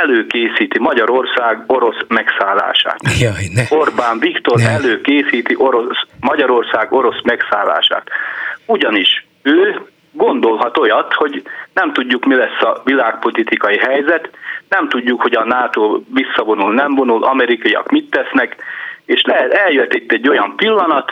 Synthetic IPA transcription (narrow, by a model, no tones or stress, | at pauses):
ɛløːkeːsiːt̪imɒɟɒɾo̞rsaːɡoɾo̞smɛksaːlːa̰ːʃa̰ːt̪o̞rbaːɱvikt̪o̞ɾɛløːkeːsiːt̪iʔoɾosmɒɟɒɾo̞rsaːɡo̞ɾo̞smɛksaːlːa̰ːʃa̰ːt̪uɟɒniʃ | øː | ɡo̞nd̪o̞lɦɒt̪o̞jɒt̪ho̞ɟnɛmt̪uɟːukmilɛsːɒvilaːk̚po̞lit̪ikɒjiɦɛjzɛt̪nɛmt̪uɟːukho̞ɟɒnaːt̪oːvisːɒvo̞nulnɛmvo̞nulʔɒmɛɾikɒiɒ̰kmit̪ːɛsnɛkeːʃlɛɛɛljøt̪ːit̪ːɛɟːo̞jɒmpilːɒnɒt̪